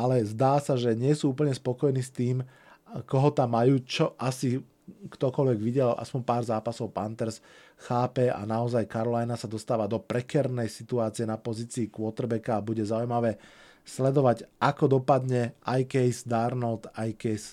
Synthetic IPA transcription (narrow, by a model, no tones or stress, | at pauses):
alɛzd̪aːsaʒɛɲɪɛsuːuːpl̩ɲɛspɔkɔjniːst̪iːm | kɔɦɔt̪amːajuːt͡ʃɔʔasi | kt̪ɔkɔʎʋɛɡʋiɟɛla̰spɔɲpaːɾzaːpasɔʊpant̪ɛɾs | xaːpɛa̰naɔzajkaɾɔlajnasad̪ɔst̪aːʋad̪ɔpɾɛkɛɾnɛjsit̪uaːt͡siɛnapɔziːt͡siːkwɔt̪ɾbɛkaːbuɟɛzaujmaʋɛː | slɛd̪ɔʋaɟʔakɔd̪ɔpad̪ɲɛʔajkɛjzd̪aɾnɔt̪ajkɛjs